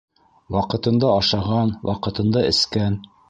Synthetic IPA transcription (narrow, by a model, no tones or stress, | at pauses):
wɑqɤ̆t̪ɤ̆nd̪ɑɑʃɑʁɑnwʔɑ̰qɤ̆t̪ɤ̆nd̪ɑɘ̆skæn